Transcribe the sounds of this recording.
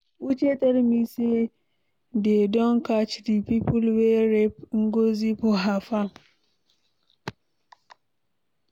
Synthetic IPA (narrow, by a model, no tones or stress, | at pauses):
wʔut͡ʃetʼɐɾmise | dedɔŋkat͡ʃdipipulweɾɛpŋ̩ɡozipoɦafaŋ